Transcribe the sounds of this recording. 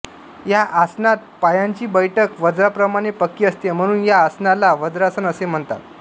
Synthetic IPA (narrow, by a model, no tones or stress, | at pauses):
jaʔasnat̪̚pajaɲt͡ɕiːbəjʈʰəkʋəd͡zɾapɾəmaɽ̃epəkːiːəst̪em̤əɽ̃uːnjaːsnalaʋəd͡zɾasənəsem̤əɳt̪a̰t̪̚